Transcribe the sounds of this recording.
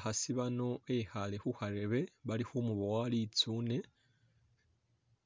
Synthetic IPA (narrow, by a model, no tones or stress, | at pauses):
hasiβano̞ehalexuhaɾe̞βe̞βalixumuβowalit͡suːne̞